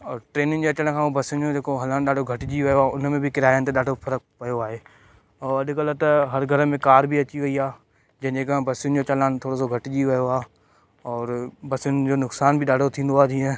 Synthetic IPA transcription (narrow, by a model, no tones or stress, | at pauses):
ɔːɾʈɾeːnɪnɪ̆d͡ʑeɐt͡ɕəɽ̃̆kʰãːũbɐsɪʊnd͡ʑod͡ʑeːkoɦɐlanɗaːɖʱoɡʱɐʈɪd͡ʑiʋɐjoaːʊnmẽbʱikɪɾaːjənt̪̬eɗaːɖʱofʰɐɾək̚pɐjoaːɦeː | ɔːɾɐɗɪkələt̪ɐɦɐɾɡʱɐɾəmẽkaːɾbʱiɐt͡ɕiʋɐiaː | d͡ʑɐ̃ɦd͡ʑeːkɐɦbɐsɪʊn̆d͡ʑoːt͡ɕɐlaːnt̪ʰoːɽos̬oɡʱɐʈɪd͡ʑiʋɐɦjoaː | ɔːɾbɐsjʊnɪ̆d͡ʑoːnʊksaːnbʱiɗaːɖʱot̪ʰĩːn̆d̪oaːd̪ĩːɛ̃ː